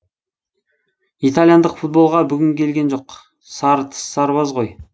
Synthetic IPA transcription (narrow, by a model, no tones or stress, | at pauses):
it̪alˠijand̪əqfut̪̚bo̞lˠʁɑbʏɡʲɪŋkʲʰe̞lɡʲe̞nʒo̞q | sɑɾt̪ʰə̥sːɑɾβɑzʁo̞j